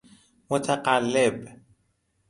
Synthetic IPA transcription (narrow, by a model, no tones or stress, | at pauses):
mʊt̪ʰaqalːeb